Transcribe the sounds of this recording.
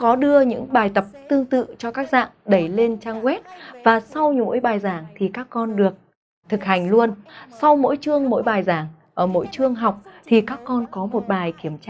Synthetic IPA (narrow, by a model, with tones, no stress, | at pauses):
kɔ˨˦ɗɨ˧əɲɨ̰˧˥ŋɓaː˨˩jt̪ə˨˩p̚t̪ɨ˧əŋt̪ɨ̰˧˨t͡ɕɔ˧kaː˦˥k̚za̰ː˧˨ŋɗə˧˩jle˧nt͡ɕaː˧ŋɣwɛ˦˥t̚vaː˨˩sa˧wɲo̰˧˥jɓaː˨˩jzaː˧˩ŋt̪ʰi˨˩kaː˦˥kːɔ˧nɗɨ˨˩ək̚ | t̪ʰɨ˨˩k̚ha˨˩jŋ̟lu˧ənsa˧wmo̰˧˥jt͡ɕɨ˧əŋmo̰˧˥jɓaː˨˩jzaː˧˩ŋ | ʔəː˧˩mo̰˧˥jt͡ɕɨ˧əŋɦa˨˩wk͡p̚t̪ʰi˨˩kaː˦˥kːɔ˧nkɔ˨˦mo˨˩t̚ɓaː˨˩jki˧˩əmt͡ɕa˧